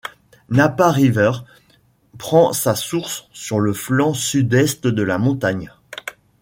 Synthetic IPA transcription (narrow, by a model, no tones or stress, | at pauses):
napaʁivɛʁ | pχɑ̃sasuʁsːyʁləflɑ̃syd̪ɛst̪d̪əlamɔ̃t̪aɲ